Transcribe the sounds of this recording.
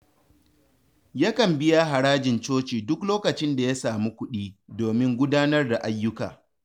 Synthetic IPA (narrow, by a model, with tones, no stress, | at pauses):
ja˦kɐ˨mbɪ˦ja˦ɦa˨ɽaː˦d͡ʒɪ˨nt͡ʃoː˦t͡ʃiː˨dʊ˦kloː˦kɐ˨t͡ʃɪ˦nda˨ja˦saː˨mi˦kʷʊ˦ɗiː˦doː˨mɪ˦ŋɡʷʊ˦daː˦nɐ˦rda˨ʔa˦jːʊ˦kaː˨